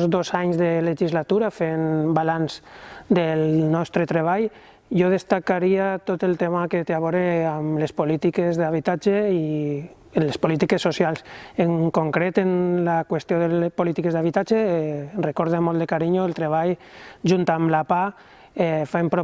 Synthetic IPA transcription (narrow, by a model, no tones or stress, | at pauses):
zd̪ozaɲzðeleʒizlat̪uɾafenbalanzd̪elnɔst̪ɾet̪ɾeβ̞aj | jɔðest̪akaɾiat̪ot̪elˠt̪emaket̪eaβ̞oɾeamlespolit̪ikezðaβ̞it̪ad͡ʒei | enlespolit̪ikesːosjalˠseŋkoŋkɾet̪enlakwest̪joðelpolit̪ikezðaβ̞it̪ad͡ʒerekɔɾðemɔlˠd̪ekaɾiɲoelˠt̪ɾeβ̞ajʒunt̪amlapa | ɛfempɾo